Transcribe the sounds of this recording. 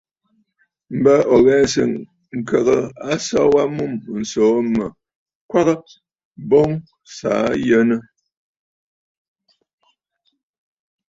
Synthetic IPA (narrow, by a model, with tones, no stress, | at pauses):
m̩˨bə˦ɔ˨ɣɛ˦˨n˨sə̰˨ŋ | ŋ̩˨kə˨ɣə˨a˦sɔ˦wa˦mu˦˨mn̩˨soː˨˦mə˨ | kwa˦ɣə˦ | bo˦ŋ | sa̰˨˦jə˦nə˦